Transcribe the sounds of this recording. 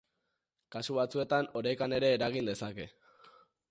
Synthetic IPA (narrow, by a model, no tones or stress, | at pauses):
kasuβat͡sue̞t̪ano̞ɾajkane̞ɾe̞ːɾaɣ̞ind̪e̞sake̞